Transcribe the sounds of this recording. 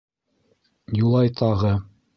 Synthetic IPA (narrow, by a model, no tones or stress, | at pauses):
julˠɑjt̪ʰɑʁɤ